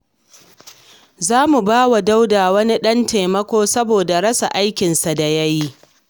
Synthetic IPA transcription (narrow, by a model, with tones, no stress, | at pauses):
zaː˦mu˨baː˦wa˨da˦wdaː˨wɐ˦ni˦ɗɐ˦nte˨mɐ˦kʷoː˦sɐ˦boː˨da˨ɽɐ˦sa̰˨ʔa˦jkʲɪ˨nsa˨da˨jɐ˦ji˦